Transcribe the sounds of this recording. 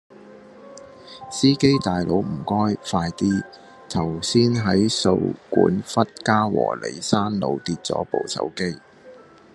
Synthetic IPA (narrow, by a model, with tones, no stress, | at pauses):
siː˥ke˥jt̪aː˨jlo˨˧˥wm̩˨˩kɔː˥jfaː˧jt̪iː˥ | t̪ʰɐ˨˩wsiː˥nɦɐ˨˥jso˧wkṵː˨˥nfɐ˥t̚kaː˥wɔ̰ː˨˩le˨˥jsaː˥nlo˨˧wt̪iː˧t̚t͡sɔ̰ː˨˥po˨˧wsɐ̰˨˥wke˥j